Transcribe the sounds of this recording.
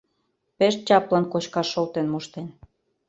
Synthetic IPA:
peʃ̚t͡ɕɑplɑnkot͡ɕkɑʃːolt̪enmoʃt̪en

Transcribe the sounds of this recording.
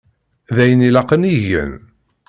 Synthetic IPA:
ðæjənilɑqəniʝə̰n

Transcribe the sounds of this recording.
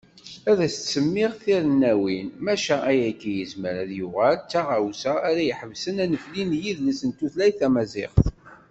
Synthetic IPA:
æðæsət̪t͡sːəmːɪʁθiɾənːæwinmæʃææjækːijəzməɾæðjuʁælt͡sːaʁawsæːɾæjəħəvsənænəflinjiðlisənt̪uθlæjθæmæzɪ̰χθ

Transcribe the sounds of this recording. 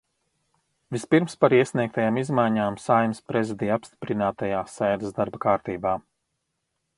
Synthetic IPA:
vispiɾmspaɾiɛsniɛk̚t̪ajaːmizmajɲaːmsajmspɾezʲid̪ijapst̪i̥pɾinaːt̪ajaːsɛːd̪əsd̪aɾbɐkaːɾt̪iːbaː

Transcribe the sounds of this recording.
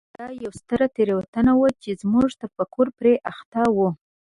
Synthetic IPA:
d̪̥ɑjawst̪əɾat̪eɾewat̪anawat͡ʃezmuʐt̪apəkoɾpɾeʔaxt̪ɑwu

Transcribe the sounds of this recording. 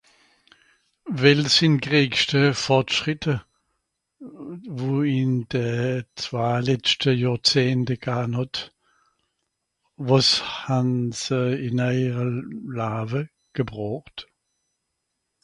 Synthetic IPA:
vɛlsɪnɡʁiːkʃtəfɔʁtʃʁɪtʰə | voːɪnd̥ət͡sv̥aːlɛt͡stʰəjɔːt͡seːntəɡ̥aːnɔt | vɔshansəɪnaɪʁəlaːvə | ɡ̥əbʁɔːχt

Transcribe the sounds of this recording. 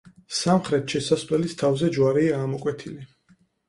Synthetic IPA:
samχɾɛt̪ʃɛsaslɛlist̪ʰavzɛd͡ʒwaɾiaːmɔkʼwɛt̪ʰili

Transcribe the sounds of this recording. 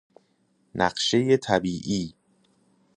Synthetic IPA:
nʔæ̰ɢʃe̞jet̪ʰæbiːʔiː

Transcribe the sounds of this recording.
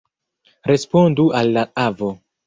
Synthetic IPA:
ɾe̞spondualːaavo

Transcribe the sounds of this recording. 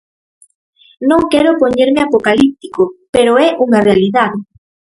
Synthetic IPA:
nõŋkɛɾopoɲeɾmɪapokalip̚t̪ikopeɾoɛʔuŋarealiðað

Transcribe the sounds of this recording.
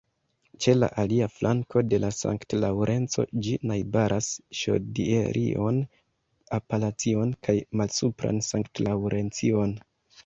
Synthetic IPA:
t͡ʃe̞la̰ʔaliaflʔaŋko̞de̞lasa̰ŋktlawɾʔe̞nt͡so̞̰d͡ʒinajbaɾʔasʃo̰diḛɾʔḭo̞̰n | apalat͡sio̞nkʰajmalsupɾa̰nsaŋktlawɾʔe̞nt͡sion

